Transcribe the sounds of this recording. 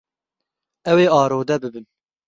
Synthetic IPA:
ɛweːɑːɾoːd̪ɛbɨbɨn

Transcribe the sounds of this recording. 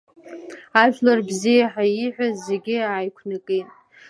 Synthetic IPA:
aʒᶣlarbzijaħaiħʷᶣazːeɡʲɪaːjkʷʰnakʼetʼ

